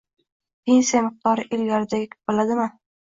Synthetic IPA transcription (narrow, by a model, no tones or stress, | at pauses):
pʰensijamɪq̚t̪ʰɒɾɪʔelɡaɾɪd̪aɡʲɪkʲʰb̚bolad̪ɪmɪ